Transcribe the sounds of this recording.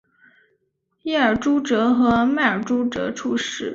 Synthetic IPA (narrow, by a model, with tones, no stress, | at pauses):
jɛ˥˩ə˞˨˩ʈ͡ʂu˥ʈ͡ʂɤ˧˥xɤ˧˥ma˥˩ə˞˨˩ʈ͡ʂu˥ʈ͡ʂɤ̰˧˥ʈ͡ʂʰu˥˧ʂɻ̩˥˩